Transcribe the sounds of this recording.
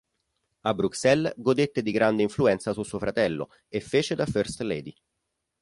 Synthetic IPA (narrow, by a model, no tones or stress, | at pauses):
abːɾuksɛlɡod̪et̪ːed̪iɡɾand̪eiɱfluɛnt̪sasusuofɾat̪ɛlːo̰ | efːeːt͡ʃed̪aførst̪lɛ̰ːd̪i